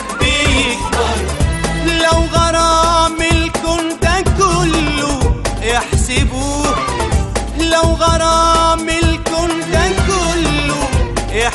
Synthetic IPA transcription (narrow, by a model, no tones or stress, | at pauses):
bɪjɪk | lawɣɑɾˤɑːmɪlkʊnt̪akʊlːʊʔɪħsɪbuːh | lawɣɑɾˤɑːmɪlkʊnt̪akʊlːʊʔɪ